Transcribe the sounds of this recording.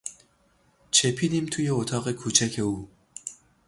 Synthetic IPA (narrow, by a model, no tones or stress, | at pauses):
t͡ʃʰepʰinimt̪ʰujeot̪ʰɑːɣekʰuːt͡ʃʰækʰeuː